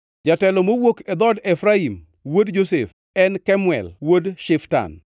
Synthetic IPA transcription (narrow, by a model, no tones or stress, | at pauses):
d͡ʒatɛlɔmowoked̪ɔdefɾaim | wodd͡ʒosef | ɛnkɛmwɛ̰lwodʃɪfta̰n